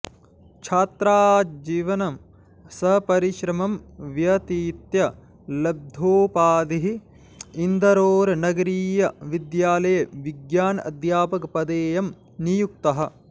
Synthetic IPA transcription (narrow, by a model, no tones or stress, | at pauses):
t͡ʃʰaːt̪ɾaːd͡ʒiːʋɐnɐm | sɐɦpɐɾiʃɾɐmɐmʋjɐt̪iːt̪jɐ | lɐb̚d̪ʱoːpaːd̪iɦi | ind̪ʱɐɾoːɾɐnɐɡɐɾiːjɐʋid̪jaːlɐjɐʋiɡjaːnɐ̰d̪jaːpɐkɐpɐd̪eːjɐm | nijuk̚t̪ɐɦɐ̆